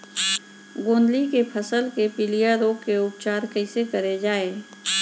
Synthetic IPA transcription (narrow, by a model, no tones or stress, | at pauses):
ɡõːnd̪likepʰəsəlkepɪlijaɾoːɡkeʊpt͡ʃaːɾkəɪsekəɾed͡ʒaːeː